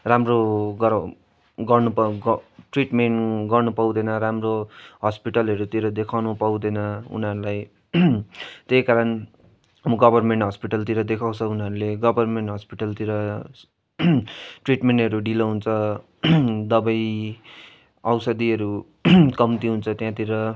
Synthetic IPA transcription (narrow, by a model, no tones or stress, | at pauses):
ramroɡʌ | ɡʌrnupʈriʈmeɳʈɡʌrnupaw̃d̪ʌnʌɾamroɦʌspiʈʌlʌɾut̪iɾʌd̪ekʰawnupaw̃d̪ʌnʌṵnʌɾulaj | t̪ejkaɾʌn | muɡʌbʱʌrmeɳʈɦʌspiʈʌlt̪iɾʌd̪ekʰaw̃t͡sʰʌunʌɾuleɡʌbʱʌrmeɳʈɦʌspiʈʌlt̪iɾʌ | ʈriʈmeɳʈɦʌɾuɖilʌɦunt͡sʰʌ | d̪ʌbʌj | awsʌd̪iʌɾu | kʌmt̪iɦunt͡sʰʌt̪jãt̪iɾʌ